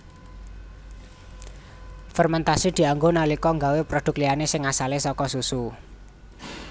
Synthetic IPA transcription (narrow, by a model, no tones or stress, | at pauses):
fɛrmɛnt̪asid̪̥i̤aŋɡonalikɔŋɡawepɾod̪̥ʊ̤k̚lianesɪŋasalesɔkɔsusu